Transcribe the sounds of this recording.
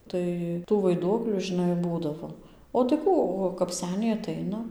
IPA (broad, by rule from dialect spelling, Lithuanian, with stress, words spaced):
ˈtɐɪ tuː ʋɐɪˈduɔklʲuː ʒʲɪˈnɐɪ ˈbuːdɐʋoː oː tɐɪ ˈkuː oː kɐp ˈsʲæːnʲɛɪ ɐˈtɐɪnɐ